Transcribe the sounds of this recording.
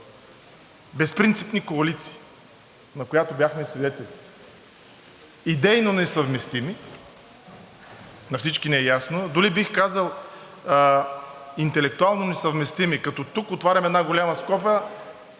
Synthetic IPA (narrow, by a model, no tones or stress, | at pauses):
bɛspɾint̪sipnikoɐlit̪si̥ː | nɐkojat̪obʲjaxmɛsvid̪ɛt̪ɛli | id̪ɛjnonɛsɐvmɛst̪imi | nɐfsit͡ʃkinɛjasnod̪ʊlibixkazəlˠ | int̪ɛlɛk̚t̪ualˠnonɛsɐvmɛst̪imikɐt̪ɔt̪ukot̪vaɾʲɐmɛd̪naɡolʲamɐskɔpʲə